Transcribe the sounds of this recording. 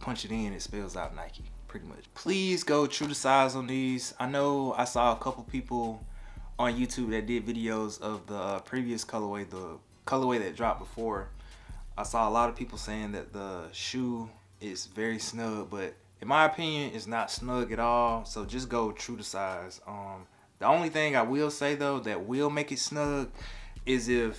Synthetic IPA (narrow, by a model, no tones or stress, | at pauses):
pʰʌ̃nt͡ʃɨɾɪ̃nɨtspɪlˠzaʊtⁿna̰ɪkipʰɹ̥ɪɾimʌ̰t͡ʃpʰl̥izɡoʊtʰɹ̥ʉɾɨsaɪzn̩ðiz̥aɪnoʊa̰ɪsɔəkʰʌpl̩ˠpʰipl̩ˠ | ə̃njʉtʰʉb̚ðɨt̚d̥ɪdvɪɾioʊzʌvðəpʰɹ̥iviɨskʰʌlˠə˞weɪðə | kʰʌlˠə˞weɪðɨt̚dɹɑp̚b̥əfɔɹ | aɪsɔəlɑɾʌv̥pʰipl̩ˠseɪɪ̃ŋðɨ̰t̪̚ðəʃu | ɪzvɛɹisnʌɡ̚b̥ʌɾ | ɨ̃nmaɪɨpʰɪ̃njɨ̃nɪznətsnʌɡɨɾɔlˠsoʊd͡ʒʌs̬ɡ̥oʊtʰɹ̥ʉɾɨsaɪz̥ʌ̃m | ðiõʊ̃nliθɪ̃ŋaɪwɪlˠseɪðoʊðɨt̚wɪlˠmeɪkɨtsnʌɡɪzɪf